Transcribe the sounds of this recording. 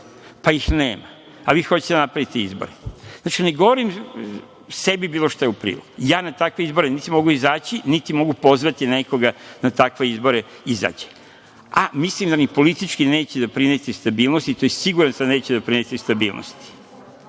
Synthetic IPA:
paixneːma | aʋiːxot͡ɕe̥t̪ed̪anapɾaʋit̪eizbo̞̰ɾeznaːt͡ʃine̞ɡo̞ʋoɾim | se̞bibiːloʃt̪ajeupɾḭːlo̰kujaːnat̪akʋe̞izbo̞ɾenit̪imo̞ɡuizaːt͡ɕinit̪imo̞ɡupo̞zʋat̪ine̞koɡanat̪akʋe̞izbo̞ɾe | iza̰ːt͡ɕe̥ | amislimd̪anipo̞lit̪it͡ʃkine̞ːt͡ɕed̪apɾinet̪ist̪abiːlˠnost̪it̪o̞jesiɡuɾansane̞ːt͡ɕed̪apɾinet̪ist̪abḭːlˠno̰st̪i̥

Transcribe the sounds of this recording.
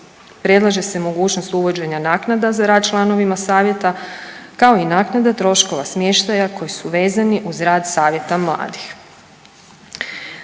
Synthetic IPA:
pɾe̞d̪lˠaʒe̞semo̞ɡuːt͡ɕno̞st̪uʋo̞d͡ʑe̞ɲanaːknad̪azaɾaːd̪̚t͡ʃlˠano̞ʋimasaːʋje̞t̪akao̞inaːknad̪at̪ɾo̞ʃko̞ʋasmjeʃt̪ajako̞jisuʋe̞ːzaniʔuzɾaːd̪saːʋje̞t̪amlˠa̰ːd̪ix

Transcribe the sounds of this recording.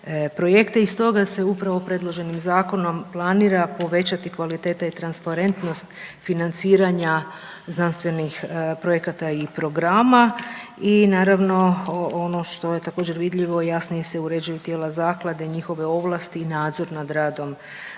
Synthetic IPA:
pɾo̞je̞kt̪eist̪o̞ɡase̞upɾaʋo̞pɾe̞d̪lˠo̞ʒe̞nimzaːko̞no̞mplˠaniːɾapo̞ʋe̞t͡ɕat̪ikʋalit̪e̞ːt̪ait̪ɾanspaɾe̞nt̪no̞st̪finant̪siːɾaɲa | znanst̪ʋe̞nixpɾojekat̪aipɾo̞ɡɾaːmainaːɾaʋno̞ono̞ʃt̪o̞je̞t̪ako̞ːd͡ʑe̞ɾʋid̪ʎiʋo̞jasnije̞seuɾe̞d͡ʑujut̪jeːlazaːklˠad̪eɲixo̞ʋe̞o̞ʋlˠast̪iːnaːd̪zo̞ɾnad̪ɾaːd̪o̞m

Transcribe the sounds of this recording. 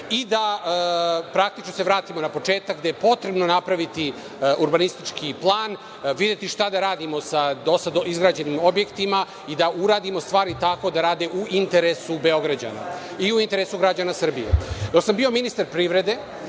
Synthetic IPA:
id̪a | pɾak̚t̪it͡ʃno̞se̞ʋɾaːt̪imo̞napo̞t͡ʃe̞ːt̪akɡd̪ejepo̞t̪ɾe̞bno̞napɾaʋit̪i | uɾbanist̪it͡ʃkʰiplˠaːn | ʋid̪et̪iʃt̪ad̪aɾaːd̪imo̞sad̪o̞sad̪oizɡɾaːd͡ʑenimo̞bje̞kt̪ima | id̪auɾaːd̪imo̞st̪ʋaːɾit̪ako̞d̪aɾaːd̪eʔuint̪e̞ɾesube̞o̞ɡɾad͡ʑa̰na̰iuint̪e̞ɾesuɡɾad͡ʑanasr̩bijḛjosambio̞minist̪aɾpɾiːʋɾe̞d̪e̞

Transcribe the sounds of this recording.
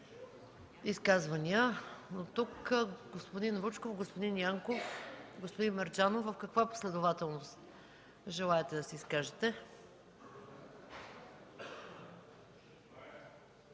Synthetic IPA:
iskazvəniənot̪ukɡospod̪invut͡ʃkofɡospod̪injaŋkofɡospʊd̪inmɛɾd͡ʒanovəfkɐkvapo̥slɛd̪ʊvat̪ɛlˠnost̪ | ʒɛlˠaɛt̪ɛd̪ɐsɛiskaʒɛt̪ɛ

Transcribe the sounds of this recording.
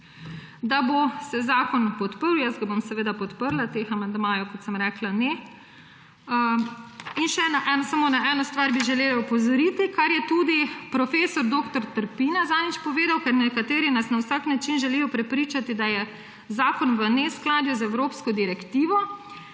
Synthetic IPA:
d̪abosɛzaːkɔnpɔt̪pəɾwjəsɡabomsɛʋeːd̪apɔt̪pəɾlat̪examand̪maːjɔwkɔt̪sɛmɾɛːklanɛ | inʃɛnaʔɛnɔsamoːnaʔɛnɔst̪ʋaːɾbiʒɛleːlaupɔzɔɾit̪ikaɾjɛt̪ud̪ipɾɔfeːsɔɾd̪oːkt̪ɔɾt̪əɾpinazanit͡ʃpɔʋeːd̪awkɛɾnɛkat̪eːɾinasnawsaknat͡ʃinʒɛliːjɔpɾɛpɾiːt͡ʃat̪id̪ajɛ | zaːkɔnʋənɛsklaːd̪juzɛwɾoːpskɔd̪iɾɛkt̪iːʋɔ

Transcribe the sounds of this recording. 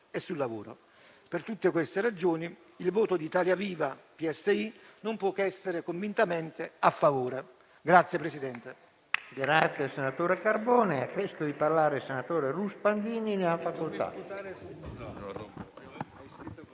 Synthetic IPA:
ɛsːulːavoːɾo̰ | pert̪ut̪ːɪkwest̪ɪrad͡ʒoːni | ilvoːt̪od̪iːt̪aːljaviːvapiɛsːeinompwɔkːɛsːeɾekoɱvint̪amɛnt̪ɪafːavoːɾe | ɡɾat̪sːjepɾesid̪ɛnt̪e | ɡɾat̪sjasenat̪oːɾekarbɔːneakːɛsk̪od̪iparlaːɾesenat̪oːɾeruspand̪iːnineafːakolt̪a̰t̪aɾesu

